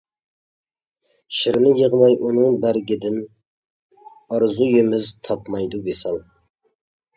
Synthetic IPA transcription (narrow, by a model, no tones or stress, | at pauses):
ʃɪɾnɪjəʁmɑjʔunɨŋbæɾɡʲɪd̪ɪn | ɑɾzujemɪzt̪ʰɑpmɑjd̪ubesɑlˠ